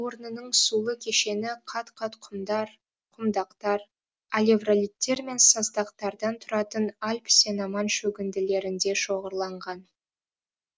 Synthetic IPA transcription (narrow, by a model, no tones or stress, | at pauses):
wo̞ɾnənəɴsulˠəkʲʰe̞ʃe̞nɪqʰɑt̪qʰɑt̪qʰʊmd̪ɑɾ | qʰʊmd̪ɑqt̪ɑɾ | alʲevralʲijt̪ːe̞ɾme̞nsɑzd̪ɑqt̪ɑɾd̪ɑnt̪ʰʊɾɑt̪ənɑlʲpsʲenɑmɑnʃɵɡʲɪnd̪ɪle̞ɾɪnd̪e̞ʃo̞ʁəɾlˠɑɴʁɑn